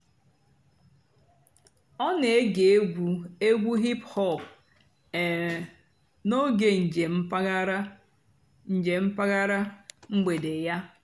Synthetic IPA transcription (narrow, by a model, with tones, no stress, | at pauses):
ɔ˦ne˨e˦ɡe˨e˦ɡʷu˨e˦ɡʷu˦ɦi˦phɔ˦˨pː | no˦ɡe˨n̩˨d͡ʒe˨m̩˦pa˦ɾa˦ | n̩˨d͡ʒe˨m̩˦pa˦ɣa˦ɾa˦ŋ͡m̩˦ɡ͡be˨de˨ja˦